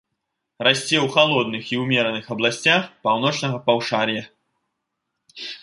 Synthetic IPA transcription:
rasʲt͡sʲɛwxalˠɔd̪nɨxiwmʲɛɾɐnɨxɐblˠasʲt͡sʲaxpawnɔt͡ʂnɐɣɐpawʂaɾʲjɐ

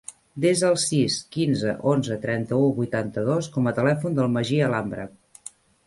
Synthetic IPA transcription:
d̪ezðəlˠsiskinzəʔonzət̪ɾɛnt̪əuβujt̪ant̪əðoskɔmət̪əlɛfund̪əlˠməʒiəlambɾə̰

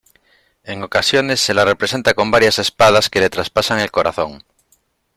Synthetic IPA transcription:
e̞ŋo̞kasjo̞ne̞sːelarepɾese̞nt̪ako̞mbaɾjase̞spað̞askelet̪ɾaspasaŋe̞lko̞ɾa̰θo̞ŋ

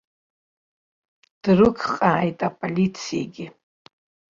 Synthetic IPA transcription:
d̥rɨkʰχʼaːjtʼapʼolʲit͡sʰijḛɡʲɪ

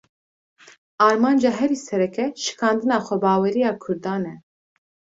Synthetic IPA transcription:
ɑːɾmɑːnd͡ʒɑːɦɛɾiːsɛɾɛkɛʃɨ̥kʰɑːnd̪ɨnɑːxʷɛbɑːwɛɾijɑːkʰʊɾd̪ɑːnɛ

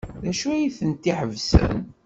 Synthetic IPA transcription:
ðæʃuæjiθənt̪ːiħəvsə̰n

